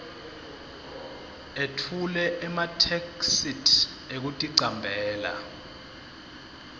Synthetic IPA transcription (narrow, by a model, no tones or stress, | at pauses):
etʰulɛʔɛmatʰeksitʰ | ek̬utʼiǀambʱɛːla̰